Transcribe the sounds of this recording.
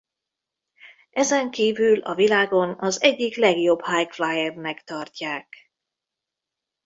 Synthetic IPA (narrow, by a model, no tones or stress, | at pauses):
ɛzɛŋkiːvylɒ̰vilaːɡo̞nɒzɛɟːiklɛɡjo̞bhajkflajɛrnɛkt̪ɒrcaːk